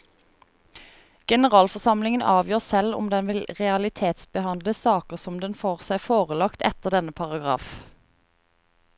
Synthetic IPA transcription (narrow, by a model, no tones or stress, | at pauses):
ɡ̥ɛnəʁɑːlfɔsɑmlɪŋənʔɑːʋjøːʁsɛlʊ̰md̪ɛnʋɪlʁɛɑlɪt̪ʰeːt̪sbəhɑnd̪ləsɑːkəʁsɔmd̪ɛnfoːʁsæɪfoːʁəlɑkt̪ɛ̰t̪əʁd̪ɛnəpʰɑʁɑɡʁɑ̰ːf